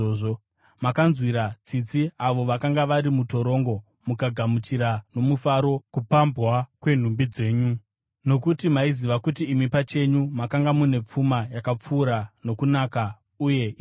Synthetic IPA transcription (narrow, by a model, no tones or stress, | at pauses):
oːʐo | makanzwiɾat͡sit͡siaʋo̞ʋakaŋɡaʋaɾimuto̞ɾo̞ŋɡo̞ | mukaɡʱamut͡ʃiɾano̞mufaɾo̞kupambwakwe̞n̤umbid͡ze̞ːɲu | no̞kutimaiziʋakutiːmipat͡ʃe̞ɲumakaŋɡamune̞p͡fumajakap͡fuːɾano̞kunaːka | uje̞